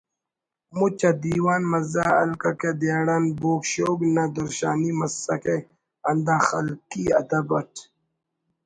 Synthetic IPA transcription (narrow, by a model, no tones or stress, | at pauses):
mut͡ɕɐd̪iːwaːnmɐzaːɐ̰lkɐked̪aːɽɐnboːkɕoːɡnɐd̪ɐɾɕa̰ːnimɐsɐke | ɐnd̪ãːxɐ̰lkiɐd̪ɐbɐʈʰ